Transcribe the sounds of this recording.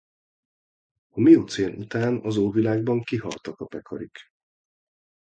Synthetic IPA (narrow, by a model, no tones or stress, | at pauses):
ɒmijut̪seːnʔut̪aːnɒzoːvilaːɡ̚bɒŋkiɦɒ̰lt̪ɒkɒpɛkʰɒɾik